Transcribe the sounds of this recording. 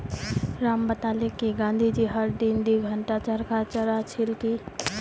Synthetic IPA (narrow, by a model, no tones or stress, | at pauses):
ɾambət̪alekːiɡãnd̪ʱid͡ʒiɦəɾd̪ind̪iɡʱəɳʈat͡ʃəɾkat͡ʃəɾat͡ʃʰilki